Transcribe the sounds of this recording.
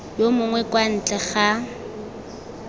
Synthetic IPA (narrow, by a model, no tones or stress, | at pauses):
jomʊŋwɛkwan̩t͡ɬʼɛχa